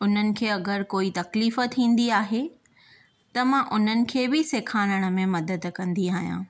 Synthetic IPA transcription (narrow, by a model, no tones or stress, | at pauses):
ʊn̤ənɪ̆kʰeːɐɡəɾkoːit̪ɐkliːfət̪ʰĩːn̆d̪iaːɦe | t̪ɐmãʔʊn̤ənɪ̆kʰeːbɪseːkʰaːnəɽ̃ə̆mẽmɐd̪əd̪kɐ̃nd̪iaːɦijã̰ː